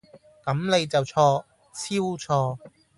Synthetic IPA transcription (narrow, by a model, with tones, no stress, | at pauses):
kɐ˨˥mle˨˧jt͡sɐ˨wt͡sʰɔː˧ | t͡sʰiː˥wt͡sʰɔː˧